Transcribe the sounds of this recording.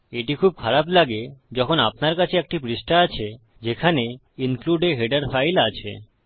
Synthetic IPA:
eʈikʰub̚kʰaɾaplaɡed͡ʑɔkʰonap̚naɾkat͡ɕʰeek̚ʈipɾisʈaat͡ɕʰe | d͡ʑekʰane | iŋkluɖeɦeɖaɾfajlat͡ɕʰḛ

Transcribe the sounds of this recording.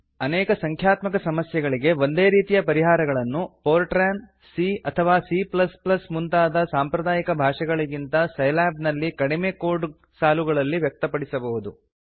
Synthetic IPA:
ɐnɛːkɐsɐŋkʰjaːt̪mɐkɐsɐmɐsjɛɡɐɭiɡe̞ʋo̞nd̪e̞ːɾiːt̪ijɐpɐɾiɦaːɾɐɡɐɭɐnːupoːɾʈɾaːn | siɐt̪ʰɐʋaːsiplɐsplɐsmunt̪aːd̪ɐsaːmpɾɐd̪aːjikɐbʱaːʂɐɡɐɭiɡint̪ɐsɐjlaːb̚nɐlːikɐɽimeːkoːɾɖ | saːluɡɐɭɐlːiʋjɐk̚t̪ɐpɐɽisɐbɐɦud̪u

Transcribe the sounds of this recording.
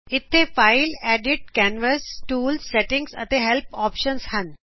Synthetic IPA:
ɪt̪ʰːefaɪlɛːɖiʈ̚kɛːnʋəsʈuːlsːeʈɪ̃ŋɡsɐ̰t̪eɦelpɔːpʃənshɐn

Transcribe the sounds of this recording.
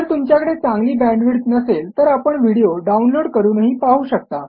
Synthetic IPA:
əɾt̪umt͡ɕjakəɽet͡sãŋɡliːbæ̃ɳɖʋiɽt̪nəselt̪əɾapəɳʋiɽijoɖaunloɽkəɾuːnəɦiːpaɦuːɕək̚t̪a

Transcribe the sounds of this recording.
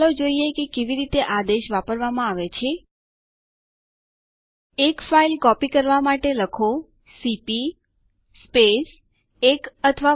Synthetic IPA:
lod͡ʒoiekekeʋiɾit̪eʔad̪eʃʋapəɾʋamãaʋet͡ʃʰe | ekfailkɔpikəɾʋamaʈeləkʰo | sipi | sːpes | ekət̪ʰəʋa

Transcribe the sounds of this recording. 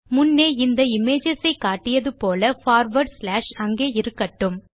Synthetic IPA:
mʊnːeːɪnd̪ɐɪmeːd͡ʒɐsɐɪkːaːʈːɪjɐðɯpoːlɐfaːɾʋɐɾɖslaːʂɐŋɡeːɪɾɯkːɐʈːɯm

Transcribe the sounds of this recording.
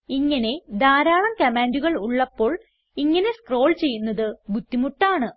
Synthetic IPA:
iŋːɐne̞d̪aːɾaːɳɐmkɐmaːnduɣɐɭuɭːɐpːo̞ːɭ | iŋːɐne̞skro̞ːɭt͡ɕe̞jːunːɐðɨɡut̪ːimuʈːaːɳɨ

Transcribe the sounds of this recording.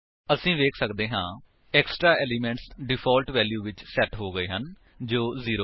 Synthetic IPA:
əsĩːʋeːkʰsəkd̪eːɦãː | ɛːksʈɾaːɛːliːmɛ̃ːɳʈsɖɪpʰɔːlʈʋɛːljuːʋɪt͡ʃsɛːʈɦoːɡəeːɦən | d͡ʒoːziːɾoː

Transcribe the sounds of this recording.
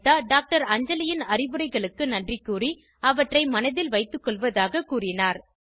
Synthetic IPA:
t̪ːaːɖaːk̚ʈɐɾɐɲd͡ʒɐlɪjɪnɐrɪbɯɾɐɪɣɐɭɯkːɯnɐndrɪkːuːri | ɐʋɐʈrɐɪmɐnɐðɪlʋɐɪt̪ːɯkːɔɭʋɐðaːɣɐkuːrɪnaːɾ

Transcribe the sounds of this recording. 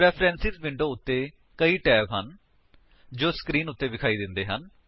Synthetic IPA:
ɾɛːpʰɾɛ̃ːnsit̪ʋɪ̃ɳɖoːʊt̪ːeː | kəiːʈɛːpɦən | d͡ʒoːskɾiːnʊt̪ːeːbɪkʰaːiːd̪ɪnd̪eːɦən

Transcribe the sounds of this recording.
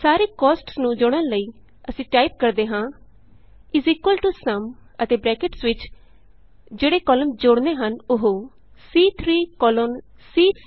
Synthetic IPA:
saːɾeːkɔːsʈsnũːd͡ʒoːɽənləiː | əsĩːʈaːɪp̚kəɾd̪eːɦãː | ɪziːkwəlʈuːsəmət̪eːbɾɛːkɪʈsʋɪt͡ʃ | d͡ʒeːɽeːkɔːləmd͡ʒʊɽneːɦənʊɦoː | siːt̪ʰɾiːkɔːloːnsiː

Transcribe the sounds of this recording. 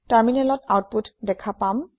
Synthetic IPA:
taɹminɛlɔtawt̚putdɛkʰapam

